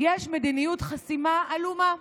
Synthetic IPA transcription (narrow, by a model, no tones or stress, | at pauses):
jeʃmed̪inijut̪χasimaːluma